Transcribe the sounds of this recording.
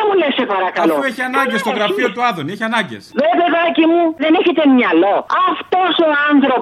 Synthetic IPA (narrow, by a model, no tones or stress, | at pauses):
mulesepɐɾɐkɐloueçiɐnɐɲɟest̪oɣɾɐfiot̪uɐðonieçiɐnɐɲɟḛsvepeðɐcimuðeneçit̪emɲɐlo̞ɐft̪osoɐnθɾop